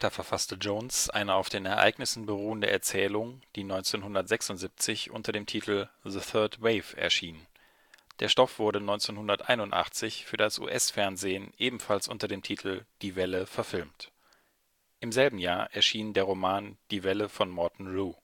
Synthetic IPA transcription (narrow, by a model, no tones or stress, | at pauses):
atɐfɛɐfastəd͡ʒoːnsʔa̰ɪnəʔaʊfd̥eːnɛɐʔa̰ɪɡnɪsn̩bəʁuːəndəʔɛ̰ɐt͡sɛːlʊŋd̥iːnɔʏnt͡seːnhʊndɐtz̥ɛksʊntzip̚t͡sɪçʔʊ̰ntɐɾeːmtʰiːtʰl̩ðəθœɐtweɪvɛ̰ɐʃiːn | d̥eːɐʃtɔfv̥ʊɐɾənɔʏnt͡seːnhʊndɐtʔa̰ɪnʊntʔa̰χt͡sɪçfyːɐdasʔṵːʔɛsfɛɐnzeːnʔeːbm̩falsʔʊ̰ntɐdeːmtʰiːtʰl̩d̥iːvɛləfɛɐfɪlmt | ʔɪmzɛlbm̩jaːɐʔɛɐʃiːndeːɐʁ̞omaːnd̥iːvɛləfɔnmɔɐtn̩ʁuː